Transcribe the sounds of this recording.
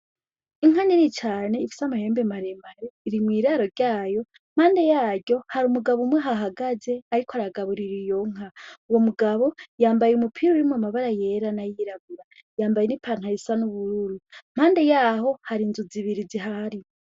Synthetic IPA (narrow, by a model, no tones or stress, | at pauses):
iŋ̥aninit͡ʃaːne̞ifi̥samahe̞ːmbemaɾemaɾeiɾimwiːɾaːɾo̞ɾɟaːjo̞ | m̥haːnde̞jaːɟo̞haɾumuɡaβumweɦaɦaɡaze̞aɾikoaɾaɡaβuɾiɾijo̞ŋ̥auwo̞muɡaβo̞jaːmbajeumupʰiɾouɾimwamaβaɾaje̞ːɾanajiɾaɡuɾajaːmbajenipʰaːn̥hajisanuβuɾuɾum̥haːnde̞jaːɦo̞haɾinzuziβiɾiziɦaɾi